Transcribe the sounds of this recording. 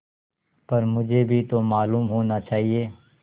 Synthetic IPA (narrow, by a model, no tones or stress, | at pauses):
pɐɾmʊd͡ʒʱebʱit̪omaːluːmɦoːnat͡ʃaːɦieː